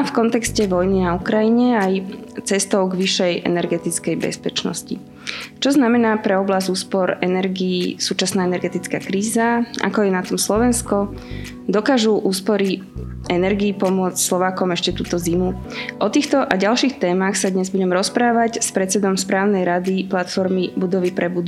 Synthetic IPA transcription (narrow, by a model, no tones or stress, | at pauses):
fkɔnt̪ɛkscɛʋɔjninaukɾajiɲɛajt͡sɛst̪ɔʊɡʋiʃɛjʔɛ̰nɛɾɡɛt̪it͡skɛjbɛ̰spɛt͡ʃnɔ̰scḭ | t͡ʃɔznamɛnaːpɾɛɔblazuːspɔɾɛnɛɾɡiːsuːt͡ʃasnaːɛnɛɾɡɛt̪it͡skaːkɾiːzaa̰kɔjɛnat̪ɔmslɔʋɛnskɔ | d̪ɔkaːʒuʔuːspɔɾi | ɛnɛɾɡiːpɔmʊɔt͡scslɔʋaːkɔmɛʃcɛt̪uːt̪ɔzimu | ʔɔt̪iːxt̪ɔʔaɟalʃixt̪ɛːmaxsad̪ɲɛzbuɟɛmɾɔspɾaːʋacspɾɛt͡sɛd̪ɔmspɾaːʊnɛjɾad̪iplat̪fɔɾmibud̪ɔʋipɾɛbud̪